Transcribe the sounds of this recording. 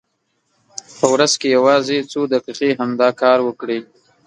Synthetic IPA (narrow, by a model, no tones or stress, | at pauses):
pəwɾazkejawɑzet͡sod̪aqiqeɦamd̪ɑkɑɾwəkɽi